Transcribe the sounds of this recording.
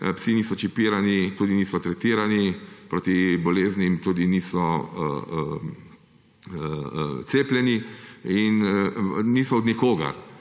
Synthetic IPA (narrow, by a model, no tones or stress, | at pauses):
psiniːsɔt͡ʃipiːɾanit̪uːd̪iniːsɔt̪ɾɛt̪iːɾanipɾoːt̪ibɔleːznimt̪uːd̪iniːsɔ | t̪seːplʲɛniin | niːsɔɔd̪nikoːɡa̰ɾ